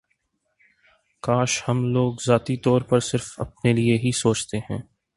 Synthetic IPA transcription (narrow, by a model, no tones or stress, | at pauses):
kaːʃhɐmloːɡzaːt̪it̪ɔːɾpɐɾsɪɾfɐ̰p̚nelieɦisoːt͡ʃt̪eɦɛ̰̃ː